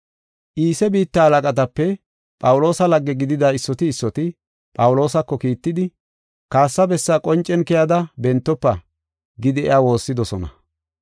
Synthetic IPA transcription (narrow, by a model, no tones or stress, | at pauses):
ʔiːsɛbiːt̪ːɐːlɐkʼɐt̪̬ɐpːɛ | pʼɐwʊlo̞ːsɐlɐɡːɛɡɪd̪ɪd̪aɪsːɔt̪ɪːsːɔt̪ɪ | pʼɐwʊlo̞ːsɐkːɔkiːt̪ːɪd̪ɪ | kaːsːɐbɛsːakʼɔnt͡ʃʼːɛnkɛjɐd̪ɐbɛnt̪ːɔpːɐ | ɡɪd̪ɪɛ̰aːwo̞ːsːɪd̪ɔsɔnɐ̰